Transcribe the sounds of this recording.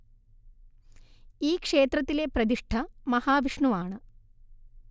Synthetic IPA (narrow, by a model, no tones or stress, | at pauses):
iːkʂeːt̪ɾɐt̪ːilepɾɐd̪iʂʈʰɐmɐhaːʋiʂɳuʋaːɳɨ